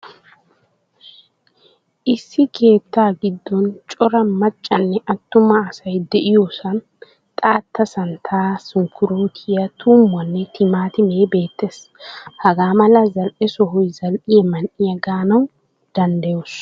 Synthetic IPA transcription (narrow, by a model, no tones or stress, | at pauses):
ʔɪsːɪkʰe̞ːt̪ːaːɡɪd̪ːɔnt͡ʃʼɔɾɐmɐt͡ʃʼːɐnːɛʔɐt̪ːʊmɐːsɐjd̪ɛʔɪjoːsɐn | t̪ʼaːt̪ʰːɐsɐnt̪ʰaːsʊŋkːʊɾuːt̪ʰɪjɐt̪ʰuːmːwɐnːɛt̪ʰɪmaːt̪ɪmeːbe̞ːt̪ːeːs | hɐɡaːmɐlɐzɐlʔɛsɔɦɔjzɐlʔɪjɛmɐnʔɪjɐɡaːnɐw | d̪̥ɐnd̪ɐjos